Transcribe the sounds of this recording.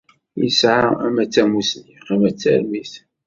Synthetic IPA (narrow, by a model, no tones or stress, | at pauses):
jə̰sʕaæmæt͡sːæmusiqæmæt͡sːæ̰ɾmiθ